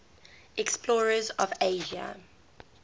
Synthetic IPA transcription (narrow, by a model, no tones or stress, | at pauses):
ɛksplɔːɹəzɔveːʒa̰